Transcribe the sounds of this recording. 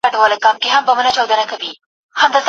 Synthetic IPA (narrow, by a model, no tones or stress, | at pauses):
aɖawɑlaɡɑmkeɦambəmənat͡ʃɑwd̪ənakawi | hamd̪az